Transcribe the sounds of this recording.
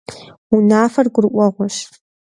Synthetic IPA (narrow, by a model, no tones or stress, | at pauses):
unaːfɐrɡʷʊrʔʷʼɔʁʷɔʃ